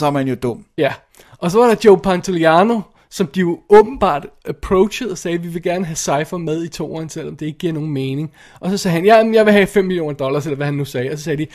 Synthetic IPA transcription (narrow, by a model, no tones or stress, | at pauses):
sɒhænjo̝d̥ɔm̰jæ | ʔɒ̽sɒ̽ʋɑ̈ɾɑ̈d̥joʊpʰɑnt͡sʰoliɑno̝ | sɒ̽md̥ijo̝ɔ̽ːb̥n̩b̥ɑ̰̈ːd̥æpʰʁɔʊɕəð̩ˠɒ̽sɛːʋiʋe̝ɡ̥æɐnəɦæsɑ̈ɪfɐmeð̞ˠit͡sʰo̝̰ːɐːnsel̰ɒ̽md̥eeɡ̥̚ɡ̥iɐ̰no̝ːn̩meːne̝ŋ | ʔɒ̽sɒ̽sɛːhænjææmjɑ̈ɪʋe̝ɦɛ̰fem̰miljo̝̰ːnɐd̥ɒ̽lɐselɐʋæhænːusɛːɒ̽sɒ̽sɛːd̥i